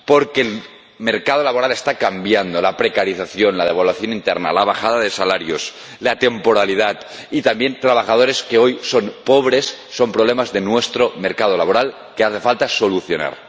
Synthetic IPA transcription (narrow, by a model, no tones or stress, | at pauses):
po̞ɾkeːl | me̞ɾkað̞o̞laβo̞ɾale̞st̪akambjand̪o̞lapɾe̞kaɾiθaθjonlað̞e̞β̞alwaθjo̞nint̪eɾna̰laβaxaðaðe̞salaɾjo̞s | lat̪empo̞ɾalið̞at̪ | it̪ambje̞nt̪ɾaβ̞axað̞o̞ɾe̞skeo̞jso̞npo̞β̞ɾe̞sːompɾoβle̞mazðenwest̪ɾo̞meɾkað̞o̞laβo̞ɾal | keaθe̞falt̪aso̞luθjo̞na̰ɾ